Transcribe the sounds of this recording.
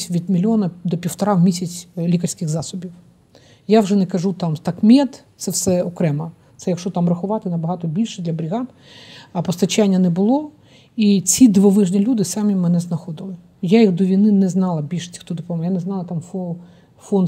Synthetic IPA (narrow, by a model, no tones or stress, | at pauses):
sʲʋʲid̪mʲilʲɔnɐd̪ɔpʲiwt̪ɐɾɑwmʲisʲɐt͡sʲlʲikɐrʲsʲkɪɣzɑsɔbʲiw | jawʐɛnɛkɐʒut̪ɑmt̪ɑkmʲɛt̪t̪sɛwsɛɔkɾɛmɐ | t̪sɛjɐkʃɔt̪ɑmrɐxʊʋɑt̪ɪnɐbɐɦɑt̪ɔbʲilʲʃɛd̪lʲɐbɾʲiɦɑd̪ | ɐpɔst̪ɐt͡ʃanʲːɐnɛbʊlˠɔ | it͡sʲid̪ʋɔʋɪʒnʲilʲud̪ɪsɑmʲimɛnɛznɐxɔd̪ɪlˠɪ | jajiɣd̪ɔʋʲijnɪnɛznɑlˠɐbʲilʲʃɛ̥t͡sʲi̥xt̪ɔd̪ʊpɔmɔjanɛznɑlˠɐt̪ɑmfɔ | fɔn